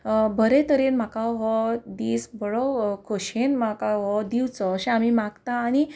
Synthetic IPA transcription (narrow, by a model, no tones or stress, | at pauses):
bʱəɾet̪əɾenm̤akaɦɔd̪iːsbəɭɔwkʰoɕenmakaɦɔd̪iwt͡sɔːɕẽamimaɡt̪aːñi